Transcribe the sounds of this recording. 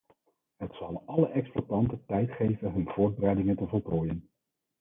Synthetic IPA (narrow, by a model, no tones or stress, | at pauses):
ɦətsɑlˠʔɑləʔɛksplatɑntəntɛjtχejvənɦɵnv̥ʊːɹd̚bərɛjdɪŋəntəvɔɹtoːjən